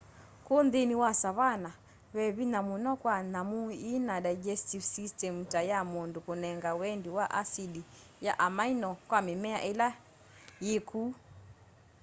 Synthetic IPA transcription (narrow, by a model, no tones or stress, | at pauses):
konðeniwasaβana | βɛβinamunɔkwanamuinadajd͡ʒɛstifsistɛmutajamondokonɛŋɡawɛndiwaʔasidi | jaʔamainɔkwamemɛa̰ʔela | jekʰuː